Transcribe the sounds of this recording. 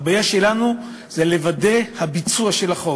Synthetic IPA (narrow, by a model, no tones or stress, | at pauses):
bajaʃe̞lanu | zele̞vade̞habit͡suaʃe̞laχo